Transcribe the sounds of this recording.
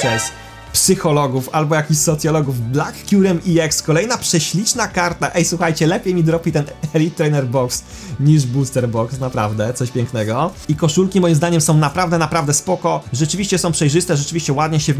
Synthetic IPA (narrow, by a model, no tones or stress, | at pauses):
ɛs | psɘxɔlɔɡufalbɔjakʲiɕsɔt̪sʲjɔlɔɡuvblakːʲuɾɛmiɛkskɔlɛjnapʂɛɕlʲit͡ʂnakaɾt̪aʔɛjswuxajt͡ɕɛlɛpʲjejmʲid̪ɾɔpʲit̪ɛnɛlʲit̪ːɾɛnɛɾbɔks | ɲiʐbust̪ɛɾbɔksnapɾa̰vd̪ɛt̪sɔɕpʲjɛŋknɛɡɔikɔʂulkʲimɔjimzd̪aɲɛmsɔ̃w̃napɾavd̪ɛnapɾavd̪ɛspɔkɔʐɛt͡ʂɘvʲiɕt͡ɕɛsɔ̃w̃pʂɛjʐɘst̪ɛʐɛt͡ʂɘvʲiɕt͡ɕɛwad̪ɲɛɕɛ